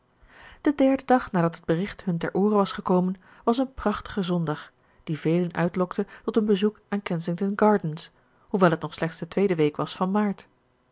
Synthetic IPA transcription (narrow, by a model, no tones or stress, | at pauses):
d̥ədɛɹdədɑχnaːdɑtɦəd̚bərɪχtɦɵntɛ̰ɹʔoːrəʋɑsχəkowmən | ʋɑs̬ənprɑχtə̥χəzɔndɑχ | d̥ivejlənœ̰ɥtlɔktətɔtənbəzukʔaːnkɛnsɪŋtənɡɑːɹdəns | huʋɛlˠɦətnɔχslɛχtsd̥ətʋejdəʋejkʋɑsfɑnmaːɹt